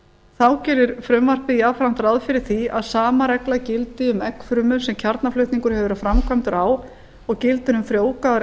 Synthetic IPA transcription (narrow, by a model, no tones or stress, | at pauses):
θawcɛɾɪɾ̥fɾœmvar̥pɪðiafɾan̥t̪aɾaðfɪɾɪɾ̥θiaðsaːmaɾɛklacɪlt̪ɪʏmɛkfɾʏmʏmsɛmcʰaɾt̪naflʏɥht̪niŋkʏɾ̥hɛvʏɾaðfɾamkʰvamt̪ʏɾaːw | ɔɣcɪlt̪ɪɾʏmfɾjoːwkaðaɾ